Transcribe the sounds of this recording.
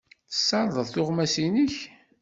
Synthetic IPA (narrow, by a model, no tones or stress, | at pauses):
θə̥sːɑɾðˤəðˤθʊʁmæsiniç